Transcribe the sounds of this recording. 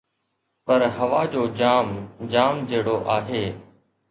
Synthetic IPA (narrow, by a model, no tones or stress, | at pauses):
pəɾɦəʋaːd͡ʑoːd͡ʒaːmd͡ʒaːmd͡ʒeːɽoːʔaːɦeː